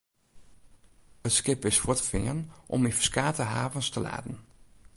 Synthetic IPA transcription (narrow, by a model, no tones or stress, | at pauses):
ətskɪpɪsfʊtə̥fɪ̰ənʔɔ̰mifə̥skaːtəɦaːvənstəla̰ːdən̩